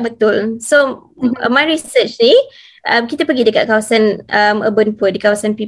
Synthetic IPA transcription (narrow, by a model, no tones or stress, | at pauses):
bət̪ʊlso̰ | majɹisət͡ʃni | ʔamkit̪apəɡidəkat̪̚kawasanʔəməbənpʊdikawasanpi